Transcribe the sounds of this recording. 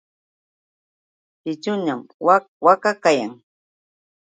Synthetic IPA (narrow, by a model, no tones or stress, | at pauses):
pɪt͡ʃʊɲamwa | wakakajaŋ